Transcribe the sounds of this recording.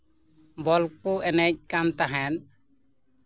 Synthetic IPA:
bɔlk̚puʔɛnɛc̚kamt̪aɦɛn

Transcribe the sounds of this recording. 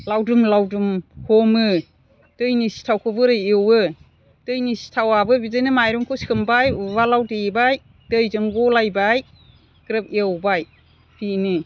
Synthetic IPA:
lawdumlawdumhʰɔmɯ | d̥ɯjnisi̥tʰawkʰɯbɯɾɯjewɯ | d̥ɯjnisi̥tʰawabɯbizɯjnɯmajɾuŋkʰɔsi̥kʰɯmbajβalawtebaj | dɯjzɯŋɡɔlajbaj | kɾɯp̚ewbaj | pʰinɯ

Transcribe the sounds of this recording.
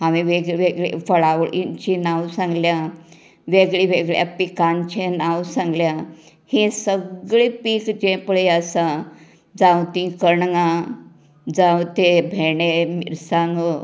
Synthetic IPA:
ɦaʋiʋeɡɭʋeɡɭḛfəɭaʋɭḭnt͡ɕinawsãŋɡlja | ʋeɡɭiʋeɡɭja̰pikant͡ɕʰẽnawsãŋɡlja | hĩsəɡɭepikd͡ʑẽpɭeəsa | d͡zawt̪ĩkəɳŋa | d͡zawt̪ebʱeɳemḭɾsãŋɡ

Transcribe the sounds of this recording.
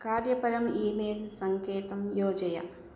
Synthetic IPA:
kaːɾjɐpɐɾɐmiːmeːlsɐŋkeːt̪ɐmjoːd͡ʒɐja̰

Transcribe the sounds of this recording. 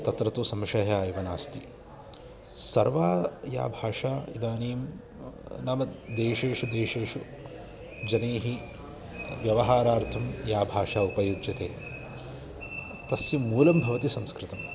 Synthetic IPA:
t̪ɐt̪ɾɐt̪usɐmʃɐɦaːjiʋɐnaːst̪i | sɐɾʋaːja̰ːbʱaːʂaːid̪aːneːm | nɐmɐd̪eːʃeːʂud̪eːʃeːʂu | d͡ʒɐneːɦi | ʋjɐʋɐɦaːɾaːɾt̪ʰɐmjaːbʱaːʂaːupɐjud͡ʒjɐt̪eː | t̪ɐsjɐmuːlɐmbʱɐʋɐt̪isɐmskɾɪt̪ɐm

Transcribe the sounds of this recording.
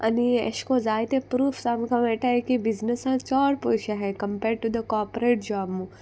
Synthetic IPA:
ʔɐ̰niḛʃkozaːjt̪ẽpɾuːfsamkãmeʈakibɪznəsɦãt͡ʃɔːɾpoʃaɦɛkɐ̃mpeːɾɖ̚ʈud̪əkɔːɾpɾeːʈ̚d͡ʒaːmu

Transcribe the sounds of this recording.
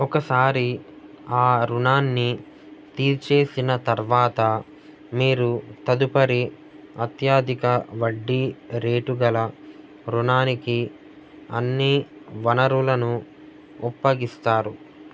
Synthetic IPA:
ɔkɐsaːɾi | aːɾunaːnːi | t̪iːɾt͡ʃe̞ːsinɐt̪ɐɾʋaːt̪ɐ | miːɾut̪ɐd̪upɐɾi | ɐt̪jaːd̪ʱikɐʋɐɖːiɾe̞ːʈuɡɐlɐ | ɾunaːniki | ɐ̰nːiʋɐnɐɾulɐnu | upːɐɡist̪aːɾu

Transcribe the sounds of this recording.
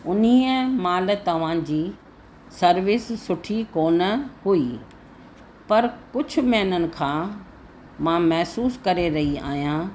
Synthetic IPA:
ʊniːəmaːl̆t̪ɐʋ̤ãd͡ʑiː | sɐɾʋɪsːʊʈʰikoːnəhui | pɐɾkʊd͡ʑʱʊ̆mɛɦnənɪ̆kʰãː | mãːmɐɦsuːskɐɾeɾɐɦia̰ːɦijãː

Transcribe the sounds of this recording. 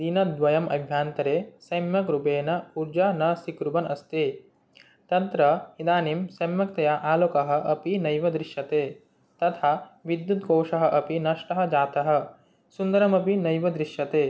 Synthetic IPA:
d̪inɐd̪ʋɐjɐmɐ̰bʱjaːnt̪ɐɾeːsɐjmjɐkɾupeːnɐuɾd͡ʒaːnɐsikɾubɐnɐst̪eː | t̪ɐnt̪ɾɐid̪aːnimsɐjmjɐk̚t̪ɐjaʔaːloːkɐɦɐ̆ʔɐpinɐjʋɐd̪ɾiʃɐt̪eː | t̪ɐt̪ʰaʋid̪jut̪̚koːʂɐɦɐ̆ʔɐpinɐʂʈɐɦɐ̆d͡ʒaːt̪ɐɦɐ̆ | sund̪ɐɾɐmɐpinɐjʋɐd̪ɾiʃjɐt̪eː

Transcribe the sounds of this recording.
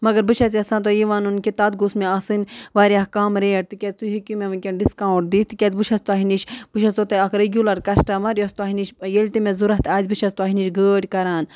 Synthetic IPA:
mɐɡɐɾbɨʃʰɐt͡siɐsãːt̪ojiʋaːnunkʲet̪aːt̪̚ɡusmeɐsɨnʲʋaːɾʲahkaːmɾeːʈ̚t̪ɨkʲet͡st̪uɦikʲumeʋɨnʲkʲenɖiskaːwʈ̚d̪iːst̪ɨkʲɐt͡sbɨʃʰɐst̪uaɦiniʃb̥ɨʃɐsot̪eɐkɾeɡʲulɐɾkɐsʈaːmɐɾʲjost̪uɐɦiniʃjelʲt̪imẽzuɾɐɦt̪aːzʲbɨʃɐst̪uaːɦiniʃɡəːɽʲkɐɾaːn

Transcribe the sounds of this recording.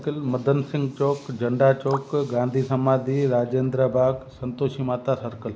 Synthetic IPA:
kəlməd̪ʱənsɪ̃ŋɡt͡ʃoːkd͡ʒəɳɖaːt͡ʃoːkɡãːnd̪ʱisəmaːd̪ʱiɾaːd͡ʒeːnd̪ɾabʱaːɡsənt̪oːʃimaːt̪asəɾkəl

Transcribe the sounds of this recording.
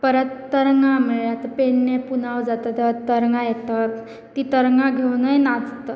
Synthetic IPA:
pəɾət̪ːəɾŋɡãmeɭat̪əpeɳːepunawd͡zat̪ət̪t̪əɾŋɡajet̪ət̪ | t̪ːiːt̪əɾŋɡãɡʱewnəjnad͡zt̪ə

